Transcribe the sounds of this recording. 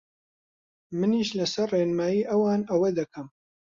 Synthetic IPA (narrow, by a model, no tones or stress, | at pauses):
mɨniːʃlɐsɐrreːnmaːjiːʔɐwaːnɐwed̪ɐkʰɐm